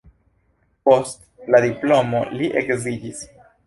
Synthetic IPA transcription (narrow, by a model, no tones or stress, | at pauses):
post̪laðiplomoliʔekziʎis